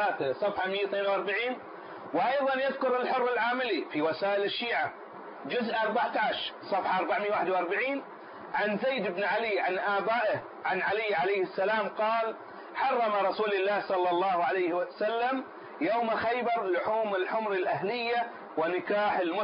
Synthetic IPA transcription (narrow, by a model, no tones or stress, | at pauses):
aːθasˤɑfħamɪjːawθneːnwɑɾˤbaʕiːn | wʔɑjðˤɑnjɪðkʊɾɪlħʊrːɪlʕaːmɪlifiwasaːʔɪlɪʃːiːʕa | d͡ʒʊzʔɑɾˤbaʕt̪aʕaʃɾsˤɑfħaʔɑɾˤbaʕmɪjːawaːħɪd̪wʔɑɾˤbaʕiːn | ʕanzajd̪ɪbnʕaliʕanʔaːbaːʔɪh | ʕanʕalɪːʕalajhɪsːalaːmqɑːl | ħɑrˤːɑmaɾˤɑsuːlɪlːaːhsˤɑlːɑlˤːɑːhʕalajhwsalːam | jaːmaxajbɑɾˤlʊħuːmɪlħʊmɾɪlʔahlɪjːa | wɪnɪkaːħɪlmʊ